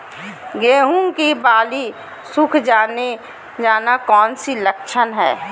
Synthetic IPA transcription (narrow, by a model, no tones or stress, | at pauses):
ɡeːɦũŋkibaːli | sʊkʰd͡ʒaːne | d͡ʒaːnakɔːnsiləkt͡ʃʰənɦɛ̰ː